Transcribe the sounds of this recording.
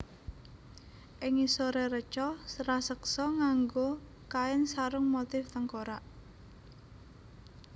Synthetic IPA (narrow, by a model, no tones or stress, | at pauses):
ʔɪŋisoɾerət͡ʃɔrasəksɔŋaŋɡo | kaɪnsaɾʊŋmot̪ɪft̪əŋkoɾaʔ